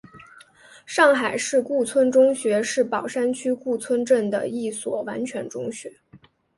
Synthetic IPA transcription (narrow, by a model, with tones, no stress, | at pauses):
ʂɑ˥˩ŋxa˨˩ɪʂɻ̩˥˧ku˥˩t͡sʰwə˥nʈ͡ʂʊ˥ŋɕɥɛ˧˥ʂɻ̩˥˩pɑ˨˩ʊʂa˥nt͡ɕʰy˥ku˥˩t͡sʰwə˥nʈ͡ʂə˥˩nd̪ə̰˩i˥˩swɔ˨˩wa̰˧˥nt͡ɕʰɥɛ˧˥nʈ͡ʂʊ˥ŋɕɥɛ˧˥